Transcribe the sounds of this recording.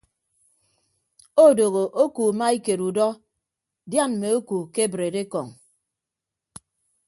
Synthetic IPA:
o˦˨do˨ɣo˨ʔo˦ku˨ma˦i˦ke˨ɾu˨dɔ˦ | dja˦˨n˨me˨o˦ku˨ke˦bɾe˨de˦kɔ˨ŋ

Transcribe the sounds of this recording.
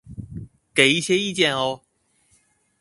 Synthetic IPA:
ke˨˧˦ji˥˩ɕjɛ˥i˥˧t͡ɕjɛ˥˧nɔ˧

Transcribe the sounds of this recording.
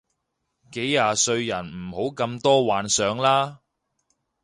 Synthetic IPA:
ke˨˥jːaː˧sɵ˧ɥjɐ˨˩nm̩˨˩ho˨˥wkɐ˧mt̪ɔː˥waː˨˧nsœː˨˧ŋlaː˥

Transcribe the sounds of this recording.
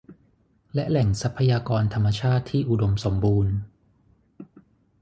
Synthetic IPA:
lɛ˦˥ʔlɛ˨˩˦ŋsa˦˥pʰːa˧jaː˧kɔː˧nt̪ʰa˧mːa˧t͡ɕʰaː˥˩t̪ʰːiː˥˩ʔu˨do˧mso˩˦mbuː˧n

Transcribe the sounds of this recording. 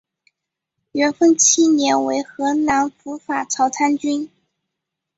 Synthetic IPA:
ɥɛ˧˥nfə˥˩nt͡ɕʰi˥njɛ˧˥nwe˧˥ɪxɤ˧˥na˧˥nfu˧˥fa˨˩t͡sʰɑ˧˥ʊt͡sʰa˥nt͡ɕy˥n

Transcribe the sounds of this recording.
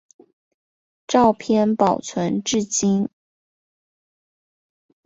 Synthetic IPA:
ʈ͡ʂɑ˥˩ʊpʰjɛ˥˧npɑ˨˩ʊt͡sʰwə˧˥nʈ͡ʂɻ̩˥˩t͡ɕi˥n

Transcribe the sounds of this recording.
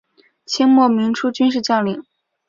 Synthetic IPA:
t͡ɕʰi˥ŋmwɔ˥˩mi˧˥ŋʈ͡ʂʰu˥t͡ɕy˥nʂ̬ɻ̩˥˧t͡ɕjɑ˥˩li˨˩˦ŋ

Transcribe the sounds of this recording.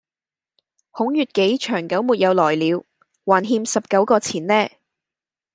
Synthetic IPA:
hʊ˨˥ŋjyː˨t̚ke˨˥jt͡ʃʰœː˨˩ŋkɐ˨˥wmuː˨t̚jɐ˨˧wlɔː˨˩jliː˨˧w | waː˨˩nɦiː˧msɐ˨p̚kɐ˨˥wkɔː˧t͡sʰiː˨˩nlɛː˥

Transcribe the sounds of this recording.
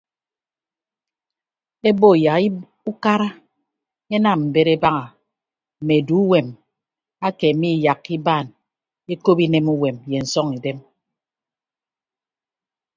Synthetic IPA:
e˦bo˦˨ja˨ki˦ | u˦ka˦ɾa˦ | e˦na˦˨mm̩˨be˦ɾe˦ba˦ŋa˨ | m̩˨me˨du˨˦u˦we˨m | a˦ke˨mi˦˨ja˨ki˦baː˦˨n | e˦ko˦pi˦ne˦mu˦we˨mje˨n̩˨sɔ˦ŋi˨de˦m

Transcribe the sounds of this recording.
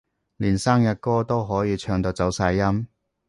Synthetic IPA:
liː˨˩nsaː˥ŋjɐ˨t̚kɔː˥t̪o˥wɦɔː˨˥jiː˨˧t͡ʃʰœː˧ŋt̪o˧wt͡sɐ˨˥wsaː˧jːɐ˥m

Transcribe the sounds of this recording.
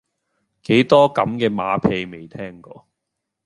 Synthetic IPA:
ke˨˥jt̪ɔː˥kɐ˨˥mkɛː˧maː˨˧pʰe˧jme˨jt̪ʰɛː˥ŋkɔː˧

